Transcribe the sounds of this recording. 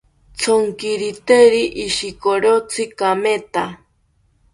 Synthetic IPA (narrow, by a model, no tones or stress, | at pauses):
t͡sʰoŋkiɾit̪eɾiʔːʃikoɾot͡sʰɨkamet̪a